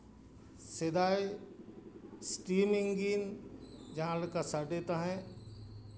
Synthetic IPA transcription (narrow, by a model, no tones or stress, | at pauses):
sɪd̪aːj | sʈiːmɪ̃ŋɡiːnd͡ʒãlkasɐɖet̪aɦɛ̃